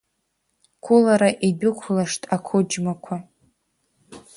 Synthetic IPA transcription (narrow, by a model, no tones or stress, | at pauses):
kʷʰʊlaɾaʔidʊkʷʰlaʂtʰʼakʷʰʊd͡ʒmakʷʰa